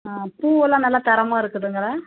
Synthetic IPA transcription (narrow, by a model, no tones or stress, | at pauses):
apuːɛlːãːnɐlːaːt̪ɐɾɐmaːɪɾɯkːɯðɯŋɡɐɭe